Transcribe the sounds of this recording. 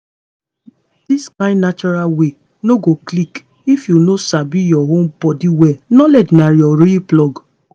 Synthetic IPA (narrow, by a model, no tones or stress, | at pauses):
d̥iskãɪ̃nnat͡ʃɔɾalwe | noɡoklik | ifjunosabijɔɦõmbɔdiwɛnɔlɛd͡ʒnajɔɾiplɔɡ